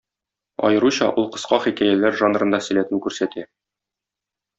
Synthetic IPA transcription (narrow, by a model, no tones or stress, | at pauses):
ɒ̰jɤ̆ɾuɕɑʔulˠqɤ̆sqɑχikæjælæɾʒanrɤ̆nd̪ɑsɘ̆læt̪ɘŋkʉɾsæt̪ʰæ